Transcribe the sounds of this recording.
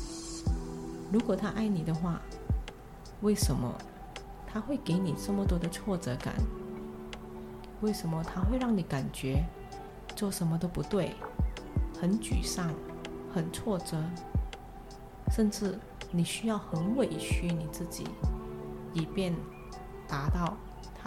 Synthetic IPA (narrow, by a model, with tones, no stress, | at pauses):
ɻu˧˥kwɔ˨˩t̪ʰa˥ʔa˥˩ɪni˨˩d̪ə˦xwa˥˧ | we˥˩ɪʂə˧˥nmə̰˧ | t̪ʰa˥xwe˥˩ɪke˧˥ɪni˨˩ʈ͡ʂə˥˩mə˨˩t̪wɔ˥d̪ə˨t͡sʰwɔ˥˩ʈ͡ʂɤ˧˥ka̰˨˩˦n | we˥˩ɪʂə˧˥nmə˧t̪ʰa˥xwe˥˧ɪɻɑ˥˩ŋni˨˧˥ka˨˩nt͡ɕɥɛ˧˥ | t͡swɔ˥˩ʂə˧˥nmə˧t̪o˥ʊpu˧˥t̪we˥˩ɪ | xə˧˥nt͡ɕy̰˨˩ʂɑ˥˩ŋxə˨˩nt͡sʰwɔ˥˩ʈ͡ʂɤ˧˥ | ʂə˥˧nʈ͡ʂɻ̩˥˩ | ni˨˩ɕy˥jɑ˥˩ʊxə˧˥nwe˨˩ɪɕʰy˧˥ni˨˩t͡sɹ̩˥˩t͡ɕḭ˨˩˦ | i˨˩pjɛ˥˩n | t̪a˧˥t̪ɑ˥˩ʊ | t̪ʰ